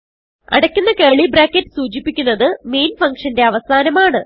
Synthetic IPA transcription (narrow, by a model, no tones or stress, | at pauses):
ɐ̰ɽɐkʲːunːɐkeːɭibraːkːetːɨ̥suːt͡ɕipːikʲːunːɐðɨme̞jnfɐŋkʂɐnde̞ɐʋɐsaːnɐmaːɳɨ